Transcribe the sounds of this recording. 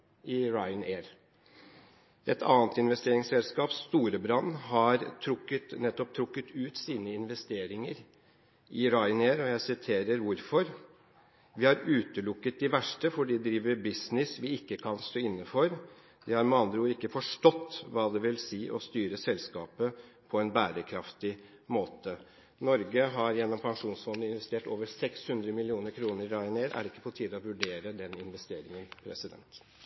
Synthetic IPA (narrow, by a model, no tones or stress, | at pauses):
ɪɹɑɪəneːɾ | ʔɛt̪ʰɑ̰ːnt̪ɪnʋɛst̪eːɾɪŋsɛlskɑːpst̪uːɾəbɾɑnːɦɑɾt̪ʰɾʊkːət̪nɛt̪ːɔp̚t̪ʰɾʊkːət̪ʰʉːt̪siːnəɪnʋɛst̪eːɾɪŋəɾ | ʔɪɾɑɪəneːɾɔjæɪsɪt̪ʰeːɾəɾʋʊɾfɔɾ | ʋɪhɑɾʉːt̪əlʊkːət̪̚d̪ɪʋæʂʈəfɔɖid̪ɾiːʋəɾbɪsnɪsʋɪɪkːəkʰɑnst̪oːɪnːəfɔɾ | d̪ɛhɑɾmɑnd̪ɾuːəɾɪkːəfɔʂʈɔt̪ːʋɑːd̪ɛʋɪlsiːʔɔst̪yːɾəsɛlskɑ̰ːpə | pʰɔɛnbæːɾəkʰɾɑft̪ɪ | moːt̪ə | nɔɾɡəɦɑɾjɛnːɔmpʰɑŋʂuːnsfɔnd̪əɪnʋɛst̪eːʈo̰ːʋəɾsɛkshʉnd̪ɾəmɪlɪuːnəɾkʰɾuːnəɾːɑːɪneːd̪æ̰ɖɛɪkːə̥pʰɔt̪ʰiːd̪ɔʋʉɖeːɾəd̪ɛnɪnʋɛst̪eːɾɪŋənpʰɾɛ̰sɪd̪ɛ̰nt̪